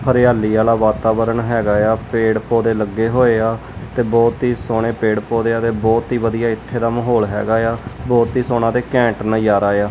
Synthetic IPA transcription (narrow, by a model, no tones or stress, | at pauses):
pʰəɾɪjaːliːaːlaːʋaːt̪aːbəɾəɳɦɛːɡaːjaːpeːɽpoːd̪eːləɡːeːɦoːeːaː | t̪eːbɔːt̪ɦiːsoːɽ̃eːpeːɽpoːd̪eːaːt̪eːbɔːt̪ɦiːʋəd̪ijaːɪt̪ʰːeːd̪aːməɦoːlɦɛ̰ːɡaːjaːbɔːt̪iːsoːñãːt̪eːkɛ̃ːɳʈnəjaːɾaːjaː